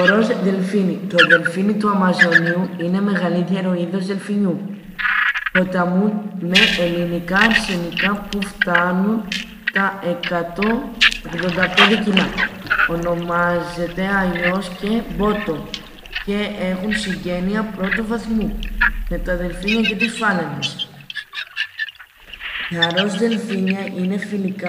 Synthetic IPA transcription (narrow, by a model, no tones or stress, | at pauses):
oɾo̞zðe̞lfinit̪o̞ðe̞lfinit̪uɐmɐzo̞niuine̞me̞ɣɐlit̪ʝeɾo̞iðo̞zðe̞lfiɲu | po̞t̪ɐmume̞elinikɐɾse̞nikɐpuft̪ɐnun | t̪ɐʔe̞kɐt̪o̞oɣðo̞nd̪ɐpe̞nd̪e̞cilɐo̞no̞mɐze̞t̪e̞ɐʎo̞sce̞bo̞t̪o̞ | ce̞e̞xunsiɲɟe̞niɐpɾo̞t̪uvɐθmume̞t̪ɐðe̞lfiɲɐce̞t̪isfɐlenes | ɐɾo̞zðe̞lfiɲɐʔine̞filikɐ